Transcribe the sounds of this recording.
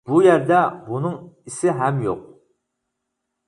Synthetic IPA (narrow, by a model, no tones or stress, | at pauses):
b̥ujæɾd̪æbunɨŋisɪɦæmjo̰q̚